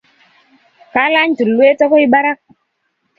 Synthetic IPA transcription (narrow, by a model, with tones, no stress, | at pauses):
ka˨˦la˦n˦d͡ʒu˨lu˦e˦tɔ˦ko˦i˦ɓa˦ɾa˦k̚